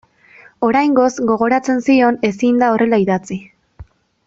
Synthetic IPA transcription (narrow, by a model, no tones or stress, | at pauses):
o̞ɾajŋɡo̞zɡo̞ɣ̞o̞ɾat͡se̞nsio̞ne̞sind̪ao̞rʔe̞laiðat͡si